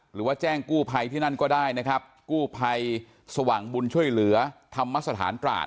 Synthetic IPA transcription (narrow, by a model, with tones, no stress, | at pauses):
ɾɯː˩˦waː˥˩t͡ɕɛː˥˩ŋkuː˥˩pʰa˧jt̪ʰiː˥˩na˥˩nkɔː˥˩daː˥˩jna˦˥kʰɾa˦˥p̚kuː˥˩pʰa˧j | sa˧waː˨˩ŋbu˧nt͡ɕʰu˥˩əjlɯ˨˩˦ɐt̪ʰa˧mːa˦˥t̪̬̚ːa˧t̪ʰa̰ː˩˦nt̪ɾa̰ː˨˩t̪̚